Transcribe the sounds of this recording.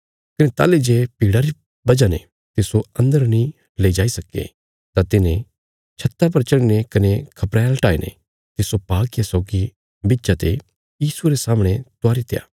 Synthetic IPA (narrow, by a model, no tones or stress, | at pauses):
kɐnet̪a̰ːled͡ʒeːpiːɽaɾi | bɐd͡ʒanḛ | t̪ɪsoɐ̃nd̪əɾnĩ | leid͡ʒaːisɐkḛ | t̪at̪ɪnẽ | t͡ʃʰɐt̪ːap̬ɐɾt͡ʃɐɽinekɐnekʰɐpɾɛːlʈaːenḛ | t̪ɪsopaːkjasɔːɡi | bitːt͡ʃat̪e | jiːsueɾesaːməɽ̃et̪ʊaːɾit̪eja̰ː